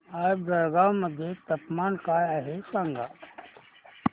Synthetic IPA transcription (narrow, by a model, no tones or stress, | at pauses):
aːjbɐɾɡaːwməd̪ʱjet̪ɐpmaːnkaːjaɦesaŋɡa